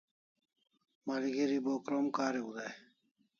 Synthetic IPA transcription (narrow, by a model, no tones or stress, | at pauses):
maliɡeɾiboːkɾomkaːɾeɡud̪ae